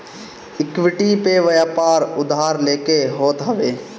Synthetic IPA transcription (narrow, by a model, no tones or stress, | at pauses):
ɪkwɪʈipeʋɐjapaːɾʊd̪ʱaːɾleːkeɦoːt̪ɦɐʋeː